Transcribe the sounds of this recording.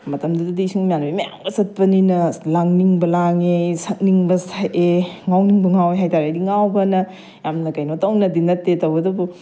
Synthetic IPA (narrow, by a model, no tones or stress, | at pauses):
mɐtɐmdɐdɐdisiŋmjanbimɐja̰ŋbɐsɐt̚pɐninɐlaŋniŋbɐlaŋesɐk̚niŋbɐsʰaʔeŋawniŋbɐŋaweɦajtaɾejdiŋawbɐnɐ | jamnɐkɐjnotawnɐdinɐtːetɐwbɐdɐbu